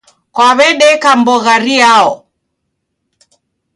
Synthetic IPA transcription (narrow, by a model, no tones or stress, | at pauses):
kwaβɛɗɛkambɔɣaɾiaɔ